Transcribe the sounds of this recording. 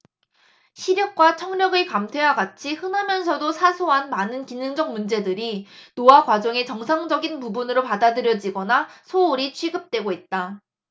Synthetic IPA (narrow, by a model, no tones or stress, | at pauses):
ɕʰiɾjʌk̚k͈wat͡ɕʰʌŋɲʌɡɯɭkamtʰe̞waɡat͡ɕʰihɯnɦamjʌns̬ʰʌdosʰasʰoɦanmanɯnkinɯŋd͡ʑʌk̚mund͡ʑe̞dɯɾinoakwad͡ʑʌŋe̞t͡ɕʌŋsʰaŋd͡ʑʌɡinpubunɯɾopadadɯɾjʌd͡ʑiɡʌnasʰouɾit͡ɕʰɥiɡɯp̚t͈we̞ɡoit̚t͈a